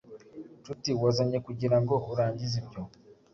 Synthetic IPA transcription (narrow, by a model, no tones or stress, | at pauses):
tutiwazaɲekuɟiɾaŋɡohuɾaːɲɟizibjo